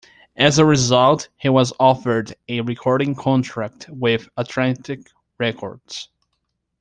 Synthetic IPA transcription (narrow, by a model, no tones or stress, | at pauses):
ʔɨzəɹɨzʌlˠthiwʌzɔfə˞dɨɹɨkʰɔɹɾɪ̃ŋkʰɑ̃ntʰɹ̥æk̚t̚wɪðətʰlæ̃ntɪk | ɹɛkʰɔ̰ɹd̥z̥